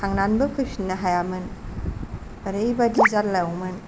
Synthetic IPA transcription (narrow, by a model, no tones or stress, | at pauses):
tʰaŋnanbɐkʰɯsinːɐɦajamɯn | ɐɾejbadizatlawmɯn